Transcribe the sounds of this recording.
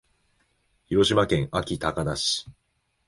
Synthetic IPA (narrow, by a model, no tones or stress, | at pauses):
çiɾo̞ɕimakẽ̞ŋʔakʲit̪akad̪aɕi̥